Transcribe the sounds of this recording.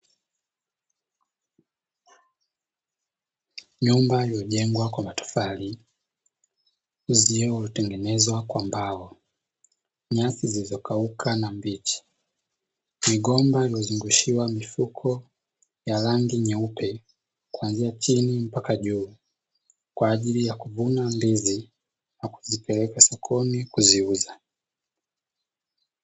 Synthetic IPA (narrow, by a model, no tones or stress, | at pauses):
ɲumbailjɔʄɛŋɡwakwamatu̥fali | ziɛulitɛŋɡɛnɛzwakwambaɔ | ɲasizilizɔkaukʰanambit͡ʃi̥ | miɠɔmbailijɔzuŋɡuʃiwamifukʰɔ | jalaŋɡiɲɛupɛ | kwanziat͡ʃinim̩pakaʄuː | kwaːʄilijakuvunambizi | naku̥zipɛlɛkasɔkʰɔnikuziuza